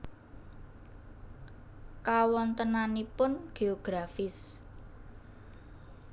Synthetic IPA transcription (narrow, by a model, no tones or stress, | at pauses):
kawɔnt̪ənanipʊnɡ̥eoɡ̥ɾafɪs